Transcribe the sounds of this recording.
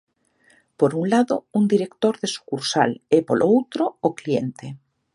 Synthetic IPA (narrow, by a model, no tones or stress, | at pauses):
poɾuŋlaðound̪iɾekt̪oɾðesu̥kuɾsa̰lepolowt̪ɾoːkliḛnt̪e